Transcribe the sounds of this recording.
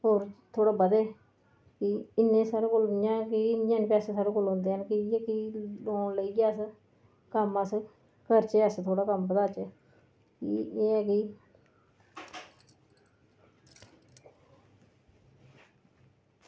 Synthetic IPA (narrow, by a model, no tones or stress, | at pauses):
ɦoːɾt̪ʰoːɽaːbəd̪eː | kɪɪnːẽːsaːɾeːkoːljãːkiɪnjãːnːpɛːseːsaːɾoːkoːlɦõnd̪eːɦənkɪeːkiloːnləiːkjaːəs | kəməs | kəɾt͡ʃeːəst̪ʰoːɽaːkəmbəd̪aːt͡ʃeː | kieːɛkiː